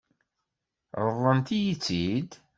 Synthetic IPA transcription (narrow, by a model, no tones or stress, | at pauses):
ɾˤəðˤːənt̪ijit͡sːid̪